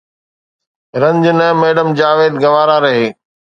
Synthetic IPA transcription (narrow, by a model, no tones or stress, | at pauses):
ɾɐ̃ɲd͡ʑnɛ̃meːɖəmd͡ʑaːʋeːd̪ɡɐʋaːɾaːɾɐɦeː